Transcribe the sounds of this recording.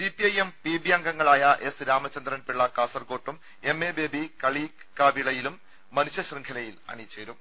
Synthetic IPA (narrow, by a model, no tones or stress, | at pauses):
sipiɐjempibijaːŋɡɐŋːɐɭaːjɐʔe̞sɾaːmɐt͡ɕːɐnd̪ɾɐnpiɭːɐkaːsɐrko̞ːʈːum | e̞mːeːbeːbikɐɭi | kaːbiɭɐjilumː | ɐnuɕjɐɕriŋkʰɐlɐjilɐ̰ɳit͡ɕːeːɾum